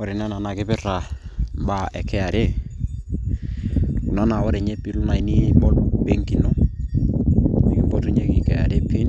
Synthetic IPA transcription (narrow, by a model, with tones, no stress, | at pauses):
ɔ˦ɾɛ˨na˦na˨na˨kɪ˦pɪ˦ɾa˨ba˨ɛ˨kɛ˦a˨ɾe˦ | lu˨na˦na˨wɔ˦ɾɛ˨ɲɛ˦pi˨lʊ˦na˨i˦ni˦bɔ˦be˦ŋki˨nɔ˦ | i˨ki˦bɔ˦tu˦ɲe˦kɪ˨kɛ˨a̰˨ɾe˦pi˦n